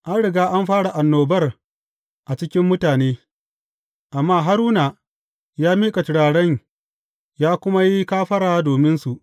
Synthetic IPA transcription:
ʔa˦nɽɪ˨ɡaː˦ʔa˦mɸaː˦ɽa˨ʔa˨nːoː˨bɐ˦r | ʔa˨t͡ʃɪ˦kʲɪ˦mːʊ˦taː˨neː˦ | ʔa˨mːaː˦ɦa˦ɾuː˦na˨ | jaː˦miː˦kʼa˨tɪ˨˦ɽaː˨ɽɐ˦ɲ | jaː˦kʷʊ˦ma˦ji˦kaː˦ɸɐ˦ɽaː˨doː˨mɪ˦nsu˨ʔ

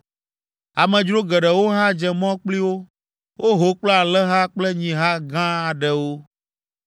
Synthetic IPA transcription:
a˨mɛ̃˨d͡ʒɾo˦ɡɛ˨ɖɛ˨wo˦ɦa˦d͡ʒɛ˨mɔ̃˦k͡pli˦wo˦ | wʔo˦ɦo˨k͡pla˨lɛ˦ɦa˦k͡plɛ˦ɲĩ˨ɦa˦ɡã˦a˨ɖɛ˨wo˦

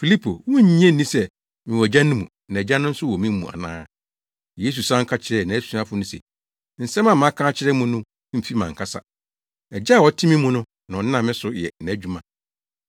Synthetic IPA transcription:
fi˨li˦pʰo̰˨wɔ̃˦ɲĩ˦ɛ̃˦nĩ˦sɛ˨ | mɪ̃˨wɔ˨d͡ʑã˦nʊ̃˦mũ˨nã˨ɛ˨d͡ʑa˦nʊ̃˦n̩˦sʊ˦wɔ˨mĩ˦m̩˦mṵ̃˨a̰˨nã̰ː˦ | je˦s̬u˨sã˦ŋ̩˦kʰa˦t͡ɕʰɪ˨ɾɛ˨nã˨æ˦su˦ã˦fʊ˦nʊ̃˦sɛ̰˨ | n̩˨sɛ̃˦mã˨mã˨˦kʰãː˦t͡ɕʰɪ˦ɾɛ˦mũ˦nʊ̃˦ | m̩˨fi˦mã˨ŋ̩˨kʰa˦sa̰˨ | ɛ˨d͡ʑa˦˨wɔ˨tʰɪ˦mĩ˦mũ˦nʊ̃˦ | nã˨ɔ˨n˦ã˦˨mɪ̃˦sʊ˨jɛ̰˨nã˨˦d͡ʑᶣu˦mã˨

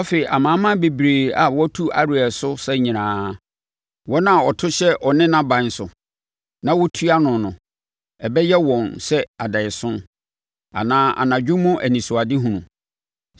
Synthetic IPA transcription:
ɔ˦fe˨i˨ʔa˨mã˨˦mã˦be˨bɾeː˨a˨wɔ˦tʰu˦a̰˨ɾʊ˨ɛ˨sʊ˦sɛ˦ɲĩ˨nãː˨˦ | wɔ˦nã˦˨ɔ˨tʰʊ˦ɕɛ˦ʔɔ˨nɪ̃˦nã˦bã˨n˦sʊ˨ | nã˦wɔ˦tʰu˦a˦nʊ̃˨nʊ̃˨ | ɛ˨bɛ˦jɛ˦wɔ̃˨nsɛ˦a˨dɛ˨ɪ˨sʊ̃˦n | a̰˨nãː˦ʔa̰˨nã˨d͡ʑᶣʊ̃˦mʊ̃˦ʔæ˨nĩ˨sʊ˨a˨dɪ˦ɦũ˨nũ˨

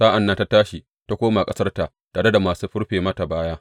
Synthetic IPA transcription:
saː˦ʔa˨nːa˦nta˦taː˦ʃi˨ | ta˦kʷoː˦ma˨kʼɐ˦sɐ˦rta˨ | taː˨ɽe˦da˨maː˨suː˦ɸʊ˦ɽɸeː˨mɐ˦ta˨baː˦jaː˦

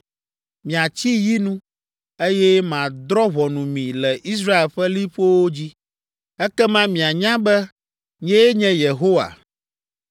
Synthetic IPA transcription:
mĩ˨a˨t͡ɕi˦ji˦nũ˦ | e˦jɛ˦mã˨d̪ɾɔ˦βɔ˨nũ˨mĩ˨lɛ˨ʔi˦s̬ɾa˦e˨lɸɛ˦li˦ɸo˦wo˦d͡ʑi˦ | ɛ˦kɛ˦mã˦mĩ˨a˨ɲã˦bɛ˦ | ɲɛ̃˦ɲɛ̃˦je˨ɦo˦wa̰˨

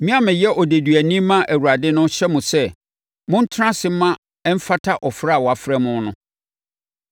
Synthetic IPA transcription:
mĩ˦a˦mɪ̃˨jɛ˦ʔɔ˨de˨dɥæ˨nĩ˦mã˦ʔæ˨wu˨ɾa˨dɪ˦nʊ̃˦ɕɛ˦mũ˨sɛ˦ | mʊ̃˦n̩˦tʰɾã˦sɪ˦mã˦ | ɛ˦m̩˦fa˦tʰa˦ʔɔ˨fɾa˦a˨wɔ˨a˨fɾɛ˦mʊ̃˦nʊ̰̃˦

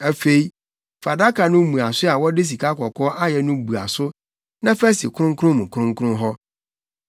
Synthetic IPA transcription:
æ˦fe˨i˦ | fa˨da˦kʰa˨nʊ̃˦mũ˨a˨sʊ˦a˨wɔ˦dɪ˦s̬i˨kʰa˦kʰɔ˨kʰɔː˦ʔa˦jɛ˨nʊ̃˦bu˨a̰˨sʊ˦ | nã˦fæ˦si˨kʰʊ˦ʊ̃˦ŋkʰʊ̃˦mũ˨kʰʊ˦ɾʊ̃˦ŋ˦kʰʊ˦ʊ̃˦ɦɔ˦

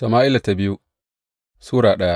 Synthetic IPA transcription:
to˨maː˦ʔɪ˦la˨ta˨bɪ˦ju˦ | suː˦ɽaː˨ɗɐ˦ja˦ʔ

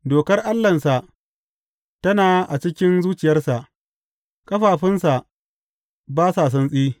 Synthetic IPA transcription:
doː˨kɐ˦rʔa˦lːɐ˨nsa˨ʔ | tɐ˦naː˨ʔa˨t͡ʃɪ˦kʲɪ˦nzuː˦t͡ʃɪ˨jɐ˦rsa˨ʔ | kʼɐ˦ɸaː˨ɸɪ˦nsa˨ʔ | baː˦sa˨s̬ɐ˦nsʼiː˦

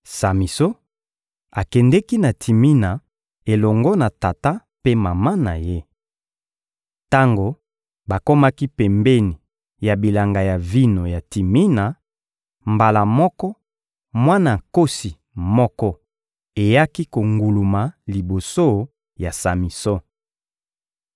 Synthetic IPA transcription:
sa˨mi˨so˦ | a˨kɛ˨ndɛ˦ki˦na˨tʰi˨mi˦na˨ | e˨lɔ˨ŋɡɔ˦na˨ta˨ta˦ | pe˦ma˨ma˦na˨je˦ | ta˦ŋɡo˨ | ba˨ko˦ma˦ki˦pɛ˨mbɛ˦ni˨ | ja˨bi˨la˨ŋɡa˨ja˨vi˦no˨ja˨ti˨mi˦na˨ | mba˨la˨mɔ˦kɔ˦ | mwa˦na˨ko˦si˨ | mɔ˦kɔ˦ | e˨ja˦ki˦ko˨ŋɡu˨lu˨ma˨li˨bo˨so˦ | ja˨sa˨mi˨sɔ˦

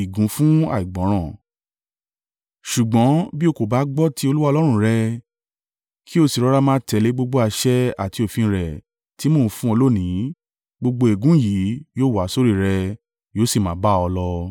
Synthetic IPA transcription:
i˨ɡũ˨˦fũ˦a̰˦˨i˨ɡ͡bɔ̃˨˦ɾ̃ɔ̃˦˨ | ʃu˨ɡ͡bɔ̃˨˦bi˦o˧ko˨ba˨˦ɡ͡bɔ˦tʰi˦o˧lu˦wa˦˧lɔ˦ɾ̃ũ˧˨ɾɛ˧ | kʰi˦o˦˧si˨ɾɔ˦ɾa˦˧mãː˦tɛ˨˧˨le˨˦ɡ͡bo˧ɡ͡bo˧˦a˧ʃɛ˦a̰˨ti˧˦o˨fĩ˧ɾɛ˨ | ti˦mõ˦˨˧fũ˦o˧lo˦˨nĩ˨˦ | ɡ͡bo˧ɡ͡bo˧e˨ɡũ˨˦ji˨˦joː˦˨wa˨˦so˦ɾi˦˨ɾɛ˧ | joː˦si˦˨mã˨˦ba˦ɔ˧lɔ˧

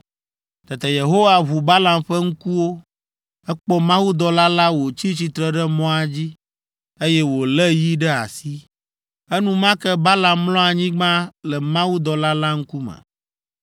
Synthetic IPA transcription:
t̪ɛ˨t̪ɛ˨je˨ɦo˦wa˦βu˨ba˦la˨mɸɛ˦ŋ̩˦ku˦wo˦ | ɛ˦k͡pɔ˦mã˦wu˦d̪ɔ˨la˦la˦wo˨t͡ɕi˦t͡ɕi˨t̪ɾɛ˦ɖɛ˦mɔ̃˦a˨d͡ʑi˦ | e˦jɛ˦wo˨lɛ˦ji˦ɖɛ˦a̰˨si˦ | ɛ˦nũ˦mã˦kɛ˦ba˦la˨mːlɔ̃˦a˨ɲĩ˦ɡ͡bã˦lɛ˨mã˦wu˦d̪ɔ˨la˦la˦ŋ̩˦ku˦mɛ̰˨

